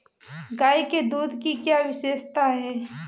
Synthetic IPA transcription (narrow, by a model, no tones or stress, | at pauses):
ɡaːjked̪uːd̪ʱkikjaːʋɪʃeːʃt̪aɦɛː